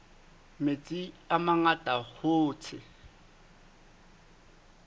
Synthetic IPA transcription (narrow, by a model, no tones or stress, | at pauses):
met͡sʼiamaŋatʼahoːt͡sʰɪ